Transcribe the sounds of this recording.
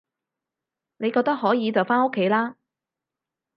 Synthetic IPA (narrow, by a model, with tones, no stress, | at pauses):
ne˨˧jkɔː˧k̚t̪k̚ɦɔː˨˥jiː˨˧t͡sɐ˨˩wfaː˥nʊ˥kʰːe˨˥jlaː˥